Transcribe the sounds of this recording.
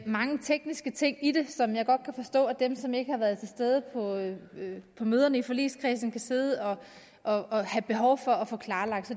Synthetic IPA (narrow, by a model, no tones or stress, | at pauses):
mɑ̈ŋət͡sʰeɡ̥nisɡ̥ət͡sʰe̝ŋ̰id̥e̝sɒ̽mjɑ̈ɪɡ̥ɒ̽d̥̚kʰæfɒ̽sd̥ɔ̰ːæd̥emsɒ̽me̝ɡ̥əhɑ̈ʋæːɐð̞̩ˠt͡sʰe̝sd̥eð̞ˠəpʰɒ̽ | pʰɒ̽møːðˠɐnəifɒ̽lḭːskʰʁɛsn̩kʰæse̝ð̞ˠəɒ̽ | ʔɒ̽hæb̥e̝ɦɒʊfɒ̽æfɔ̽ːkʰlɑ̈ːlɑ̈ɡ̥d̥sɒ̽